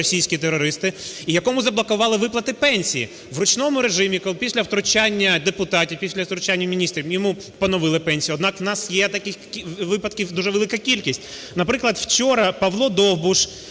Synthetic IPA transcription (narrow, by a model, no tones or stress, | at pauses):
ɔsʲijsʲkʲit̪eɾɔɾɪst̪ɪijɐkɔmʊzɐblˠɐkʊʋɑlˠɪʋɪplˠɐt̪ɪpɛnʲsʲijḭ | ʋrʊt͡ʃnɔmʊɾeʒɪmʲikɔlˠpʲisʲlʲɐwt̪ɾʊt͡ʃanʲːɐd̪epʊt̪ɑtʲiwpʲisʲlʲɐwt̪ɾʊt͡ʃanʲːɐmʲinʲist̪ɾʲiwjɔmu | pɔnɔʋɪlˠɪpɛnʲsʲijɔd̪nɑkwnɑsjɛt̪ɐkɪxkʲʋɪpɐd̪kʲiwd̪uʒɛʋelˠɪkɐkʲilʲkʲisʲtʲ | nɐpɾɪklˠɐd̪wt͡ʃɔɾɐpɐʋlˠɔd̪ɔwbʊʃ